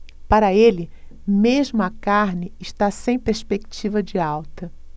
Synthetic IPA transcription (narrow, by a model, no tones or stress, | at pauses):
paɾɐelɪ | meʒmʊɐkaɾnɪːʃt̪asẽj̃peɾspeki̥t͡ʃivɐd͡ʒɪawt̪ɐ